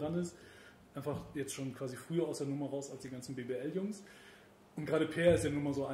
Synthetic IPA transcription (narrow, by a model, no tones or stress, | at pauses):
ʁanɪst | ʔaɪnfaχjɛt͡stʃoːnkv̥aːzifʁ̥yːɐaʊsd̥eːɐnʊmɐʁaʊsalsd̥iːɡansn̩beːbeːʔɛljʊŋs | ʔʊntɡ̥ʁaːɾəpʰeːɐɪstd̥jaːnʊɐmaɐzoːaɪ